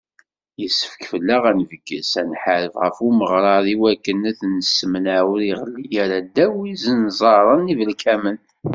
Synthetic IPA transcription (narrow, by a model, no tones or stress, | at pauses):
jəsːə̥fkfəlːaʁænvəɡːə̰sænħaɾəvʁə̰fuməʁɾˤɑðˤiwækːənæθnəsmənʕaɾiʁəlːijæɾæd̪æwizənzˤɑɾˤənivəlkʰæmən